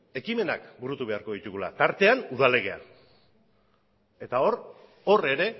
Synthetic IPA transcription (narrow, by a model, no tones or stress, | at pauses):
e̞kime̞nakbuɾut̪uβe̞aɾko̞ð̞it̪uɣula̰t̪aɾt̪e̞anuð̞ale̞ɣe̞a̰ | e̞t̪ao̞ɾ | o̞re̞ɾe̞